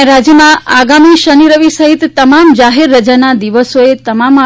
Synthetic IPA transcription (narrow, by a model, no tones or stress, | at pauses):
ɾad͡ʒjəmãaɡamiʃəniɾəʋisəɦit̪ːəmamd͡ʒaɦeɾːəd͡ʒanad̪iʋəsoet̪əmama